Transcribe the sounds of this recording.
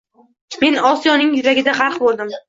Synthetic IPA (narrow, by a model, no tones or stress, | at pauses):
me̞nɒsijɒnɪŋjʊɾaɡʲɪd̪aχɑɾqbolˠd̪ɪm